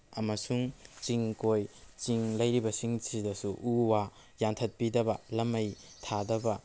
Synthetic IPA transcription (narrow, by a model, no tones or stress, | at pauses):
ɐmɐsuŋt͡ʃiŋkojt͡ʃiŋlɐjɾibɐsiŋsidɐsuʔuwa | jantʰɐt̚pidɐbɐlɐmɐjtʰadɐbɐ